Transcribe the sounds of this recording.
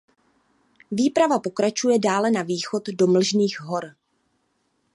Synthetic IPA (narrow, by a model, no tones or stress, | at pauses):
viːpɾavapo̞kɾat͡ʃujɛdaːlɛnaviːxo̞t̪do̞ml̩ʒniːxɦo̞ɾ